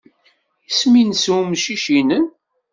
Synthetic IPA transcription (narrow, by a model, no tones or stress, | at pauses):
isminsumʃiʃinən